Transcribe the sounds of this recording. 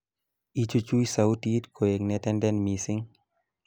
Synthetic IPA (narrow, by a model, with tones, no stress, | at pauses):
i˦t͡ʃu˦t͡ʃu˦jsa˨uti˦tkʰo˨e˨ŋnɛtɛndɛnmisi˦ŋ